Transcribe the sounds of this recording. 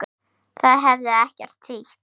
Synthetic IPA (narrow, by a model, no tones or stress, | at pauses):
θaðɦɛvðɪɛhcɛɾ̥t̪ʰːiht̪